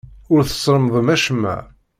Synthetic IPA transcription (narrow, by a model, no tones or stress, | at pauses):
ʊɾθə̥sˤɾˤəmðˤəmæʃmːæ̰